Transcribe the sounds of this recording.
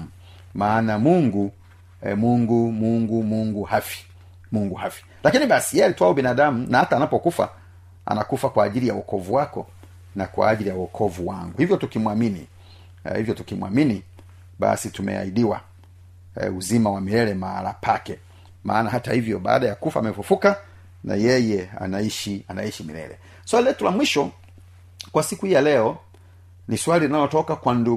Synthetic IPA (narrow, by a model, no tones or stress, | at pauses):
m̩ | maːnamuŋɡu | muŋɡumuŋɡumuŋɡuhafi̥ | muŋɡuhafi̥ | lakiniɓasijɛɛalitwaɔbinaɗamunahataːnapɔkufa̰ | a̰nakufakwaːʄilijawɔkɔvuwakɔ | nakwa̰ːʄilijawɔkʰɔvuwaŋɡuhivjɔtukimwaminḭ | hivjɔtukimwa̰mini | ɓa̰situmɛ̰a̰iɗiwa̰ | uzimawamiɾɛlɛmaalapʰakɛ | ma̰ːnaɦatahivjɔɓa̰ːɗajakufaːmɛfufuka | na̰jɛjɛa̰naiʃianaiʃimilɛ̰ɾɛ̰ | swalilɛtulamwiʃɔ | kwasikuhijalɛɔ | niswalilinalɔtɔkakwandu